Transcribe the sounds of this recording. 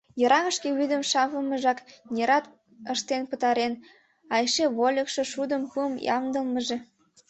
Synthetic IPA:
jəɾɑɣəʃkeβyd̪əmʃɑβəlməʒɑknʲeɾɑt̪ | əʃt̪enpət̪ɑɾen | ɑjʃeβolʲəkʃĕʃud̪əmpuəmjɑ̰md̪əlməʒe

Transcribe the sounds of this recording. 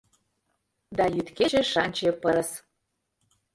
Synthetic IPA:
d̪ɑjyt̪keʒeʃɑnʲt͡ɕepəɾə̆s

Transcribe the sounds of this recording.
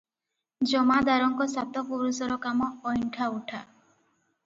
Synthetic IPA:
d͡ʒɔmad̪aɾɔŋkɔsat̪ɔpuɾusɔɾɔkamɔːjɳʈʰauʈʰa̰

